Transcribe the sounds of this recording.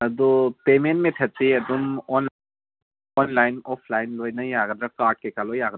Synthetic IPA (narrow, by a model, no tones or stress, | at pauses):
ɐd̪ɔpement̚metʰet̚siɐd̪unɔn | ɔnlajnɔpʰlajnlojnɐjaɡɐd̪ɾakaʈ̚kekalɔjaɡə